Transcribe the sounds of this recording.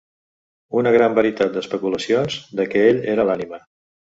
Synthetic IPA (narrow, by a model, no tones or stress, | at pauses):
unəɣ̞ɾambəɾit̪at̪̚d̪əspəkuləsionzd̪əkɛeʎeɾəlanimə